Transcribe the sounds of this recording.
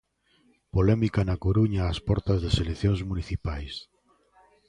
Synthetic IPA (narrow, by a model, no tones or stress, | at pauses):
polɛmikanakoɾuɲaːspɔɾt̪azðeseleθjoŋzmuniθipajs